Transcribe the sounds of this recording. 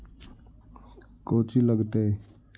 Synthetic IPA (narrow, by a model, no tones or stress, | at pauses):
koːt͡ʃiːləɡt̪e